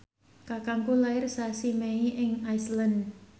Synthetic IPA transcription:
kakaŋkulaɪrsasimeiʔɪŋajslan

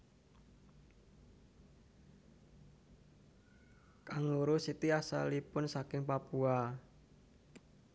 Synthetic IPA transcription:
kaŋuɾusit̪iasa̰lipʊnsakɪŋpapua

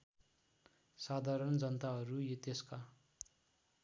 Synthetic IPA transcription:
sad̪ʱaɾʌnd͡zʌnt̪aɦʌɾujʌt̪eska

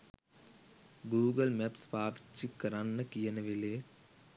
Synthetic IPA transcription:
ɡuːɡəlmɛpspaːbt͡ʃikːɐɾanːəkijənəʋileː

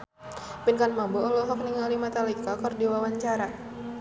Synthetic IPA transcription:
pinkanmabɔɔlɔɦɔk̚niŋalimat̪alikakɔrdiwawaɲt͡ʃaɾa

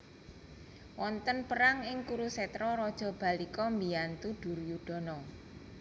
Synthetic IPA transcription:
wɔnt̪ənpəɾaŋɪŋkuɾusɛt̪ɾɔɾɔd̥ʒ̥ɔ̤b̥a̤likɔmbijant̪ud̥ʊ̤rjuɖ̥ɔ̤nɔ

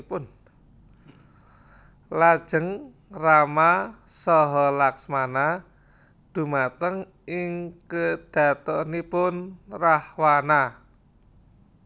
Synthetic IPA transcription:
pʊn | lad̥ʒ̥ə̤ŋ | ramasɔɦɔlaksmana | d̪̥ṳmat̪əŋ | ɪŋkəd̪̥ä̤t̪ɔnipʊnrahwana

